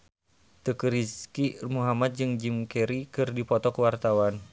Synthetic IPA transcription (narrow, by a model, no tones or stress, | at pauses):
t̪əkəɾiskimuɦamat̪̚d͡ʒɨŋd͡ʒimkɛɾikɨrdipɔt̪ɔkuwart̪awan